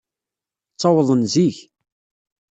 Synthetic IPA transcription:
t͡sˤːɑwəðˤənziç

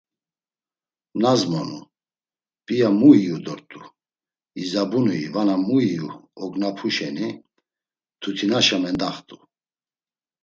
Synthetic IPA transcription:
nazmɔnṵ | pʼijamuiud̪ɔɾt̪ʼu | izabunuḭvanamuijuɔɡnapʰuʃɛni | t̪ʰut̪ʰinaʃamɛnd̪aχt̪ʼu

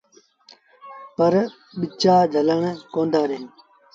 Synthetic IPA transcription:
pəɾ | ɓɪt͡ʃaːd͡ʒʱələɳ̃koːnd̪aːɾẽː

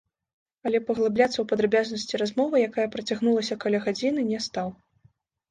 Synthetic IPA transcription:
ɐlʲɛpɐɣlˠablʲat̪sːɐwpɐd̪ɾabʲaznɐsʲt͡sʲirazmɔvɐjakajɐpɾɐt͡sʲaɣnulˠɐsʲɐkalʲaɣad͡zʲinɨnʲɛst̪aw

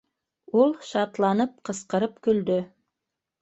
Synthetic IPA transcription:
ulˠʃɑt̪lˠɑnɤp̚qɤ̆sqɤ̆ɾɤpkɵ̆ld̪ɵ

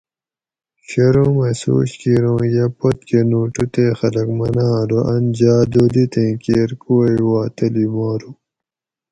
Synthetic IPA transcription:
ɕɐɾõːmeso̰ːɕkiɾõːjɐpot̪̚kenuːʈut̪eːxɐlɐkmɐnãːɾoʔɐnd͡ʑaːd̪olit̪ẽːkeːɾkoːiwaːt̪ɐlimaːɾu

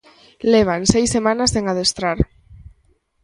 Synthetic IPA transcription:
leβ̞ansejsemanaseŋaðest̪ɾaɾ

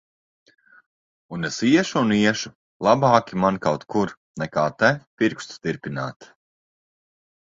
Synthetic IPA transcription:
unɛsiɛʃuuniɛʃu̥ | lˠabaːkʲimankawt̪kʰuɾ | nɛkaːt̪ɛpiɾkʃt̪t̪iɾpinaːt̪

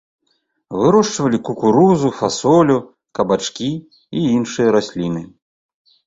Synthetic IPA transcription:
vɨɾɔʂt͡ʂvɐlʲikukuɾuzufasɔlʲu | kɐbat͡ʂkʲiː | inʂɨjɐɾasʲlʲinɨ

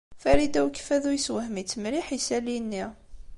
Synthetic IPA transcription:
fæɾid̪æwkːfæðujswəhmit͡sːmɾiħisælinːi

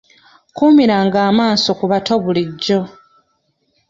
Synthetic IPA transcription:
kumiɾaːŋɡaːmaːso̞kuβatoβuliɟːo̞

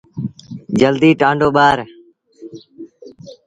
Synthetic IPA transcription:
d͡ʒəld̪iːʈãːɳɖoːɓaːɾ

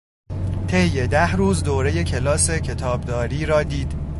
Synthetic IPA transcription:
t̪ʰe̞jːe̞d̪æhɾuːzd̪oːɾe̞je̞cʰe̞lɒːse̞cʰe̞t̪ʰɒːbd̪ɒːɾiːɾɒːd̪iːd̪̥

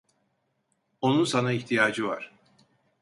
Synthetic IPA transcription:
o̞nunsanaiçt̪ʰijaːd͡ʒɯvaɾ̥

